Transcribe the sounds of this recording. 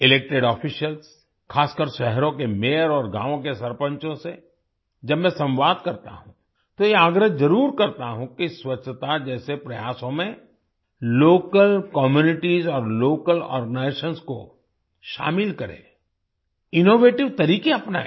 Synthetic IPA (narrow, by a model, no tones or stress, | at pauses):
ɪleːk̚ʈeɖɔːfiʃəls | kʰaːskəɾʃɛɦɾõkemeːɾɔːɾɡã̰ːʋõkesɐɾpə̃ɲt͡ʃõse | d͡ʒɐbmɛ̃sɐ̃mʋaːd̪kɐɾt̪a̰ɦũ | t̪ojeaːɡɾəzɐɾuːɾkɐɾt̪aɦũkiswɐt͡ʃʰːət̪ad͡ʒɛːsepɾɐjaːsõmẽ | loːkəlkɔːmjuːnɪʈizɔːɾloːkəlɔ̰ːɾɡənaɪsənsko̰ | ʃa̰ːmɪlkɐɾḛ̃ː | ɪnoːʋeːʈɪʋt̪ɐɾiːkeɐpna̰